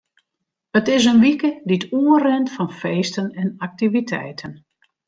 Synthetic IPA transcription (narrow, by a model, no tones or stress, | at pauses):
ətɪsənʋikədituərɛntfɔnfeːstənɛnak̚tivitʰɛ̰jtʰən